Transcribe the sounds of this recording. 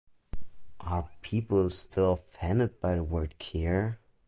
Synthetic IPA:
ʔə˞pʰipl̩ˠstʰɪlˠfæ̃nɨd̚b̥aɪðəwɜ˞d̚kʰɛɹ

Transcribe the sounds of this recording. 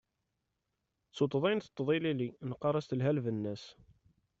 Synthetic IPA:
t͡sut̪ˤːðˤinθət̪ˤːðˤililinqːɑɾˤɑst̪əlɦælvənːæs

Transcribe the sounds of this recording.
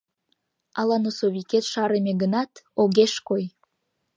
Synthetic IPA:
ɑlɑnosoβiket̪ʃɑɾemeɡənɑt̪oɣeʃkoj

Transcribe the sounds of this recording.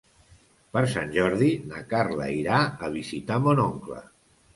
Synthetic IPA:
pəɾsanʲʒɔɾðinakaɾlə̰iɾaəβizit̪amonoŋklə̰

